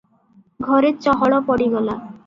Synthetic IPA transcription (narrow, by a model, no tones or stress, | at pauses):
ɡʱɔɾet͡ɕɔɦɔɭɔpɔɽiɡɔla